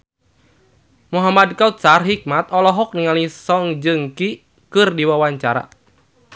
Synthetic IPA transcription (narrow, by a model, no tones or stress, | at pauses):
muɦamad̚kaut̪̚sarɦik̚mat̪ɔlɔɦɔk̚niŋalisɔŋd͡ʒɨŋki | kɨrdiwawaɲt͡ʃaɾa̰